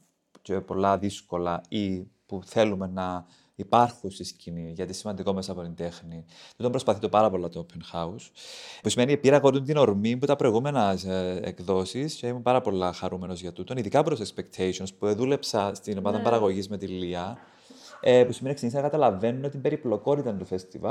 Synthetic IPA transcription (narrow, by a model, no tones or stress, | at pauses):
cepo̞lːɐðisko̞lɐipuθe̞lume̞nɐ | ipɐɾxunst̪iscʰiniʝɐt̪isimɐnd̪iko̞mesɐpo̞t̪ind̪e̞xnit̪ut̪ombɾo̞spɐθit̪o̞pɐɾɐpo̞lːɐt̪opʰenxɐuspusime̞niepiɾɐɣo̞ɾt̪unt̪ino̞ɾmimput̪ɐpɾo̞iɣume̞nɐsḛkðo̞siseimumpɐɾɐpo̞lːɐxɐɾume̞no̞zʝɐt̪ut̪oniðikɐpuɾosekspekt̪ʰejsionspueðule̞psɐst̪ino̞mɐðɐmbɐɾɐɣo̞ʝizme̞t̪ilːiɐ | epusimeneksinisinɐkɐt̪ɐlɐve̞nuno̞t̪imbeɾiplo̞ko̞ɾit̪ɐnt̪ofest̪ivɐl